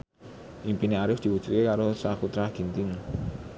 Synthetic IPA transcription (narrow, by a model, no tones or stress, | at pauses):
ʔimpineaɾɪfd̪̥i̤wu̥ʒ̥ut̪̚kekaɾosakut̪ɾaɡ̥int̪ɪŋ